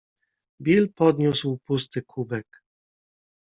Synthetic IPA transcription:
bʲilpɔd̪ɲuswpust̪ɘkʰubɛk

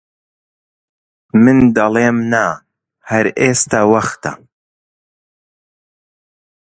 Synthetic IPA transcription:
mɨnd̪ɐleːmna | hɐɾʔeːst̪awɐxt̪ɐ̰

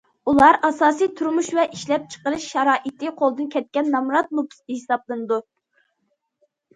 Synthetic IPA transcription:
ulˠɑɾɑsɑːsijt̪ʰuɾmuʃvɛʔiʃlɛp̚t͡ʃʰə̥qəɾɨʃːɛɾɑːʔɨt̪ʰɨqʰolˠd̪ɨnkʲʰɛt̪̚kʲɛnːɑmɾɑt̪̚mupʰst̪ɨhisɑblˠɨnɨd̪u

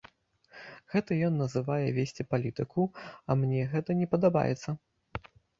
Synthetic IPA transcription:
ɣɛt̪ɐjɔnːɐzɨvajɛvʲesʲt͡sʲipalʲit̪ɨkʰuɐmnʲɛɣɛt̪ɐnʲɛpɐd̪aba̰jɛ̰t̪sːɐ

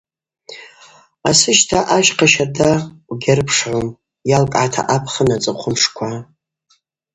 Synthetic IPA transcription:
asɨʃtʰaʔaʃqʰaʃardawɡʲarɨpʰʂʕʷom | jalkʼʕatʰa̰ʔapʰχənat͡sʼɨqʷʰʊmʂkʷʰa

